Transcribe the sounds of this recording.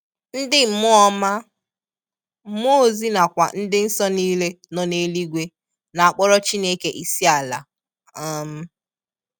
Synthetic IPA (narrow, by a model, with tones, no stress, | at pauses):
n̩˦dɪ˦m̩˨˦mʊ˦ɔ˦ma˦ | m̩˦m˦o˦˨zi˦na˨kʷa̰˨n̩˦dɪ˦n̩˦sɔ˦niː˦le˦ | nɔ˨ne˨li˦ɡʷe˦ | na˨a˨k͡pɔ˦ɾɔ˦t͡ʃi˦ne˦ke˦ʔi˨si˦a˨la̰˨ | a˦m̩˦